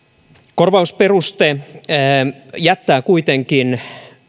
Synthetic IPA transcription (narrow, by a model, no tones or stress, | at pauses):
korʋɑusperust̪e | jæt̪ːæːkuit̪eŋkin